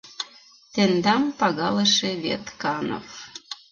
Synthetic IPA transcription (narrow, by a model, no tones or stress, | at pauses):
t̪end̪ɑmpɑɣɑleʃeβet̪kɑno̰f